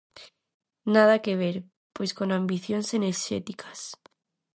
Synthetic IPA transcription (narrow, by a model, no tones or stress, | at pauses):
nað̞akeβ̞eɾ | pojskonãmbiθjonseneɾʃḛt̪ikʰḁs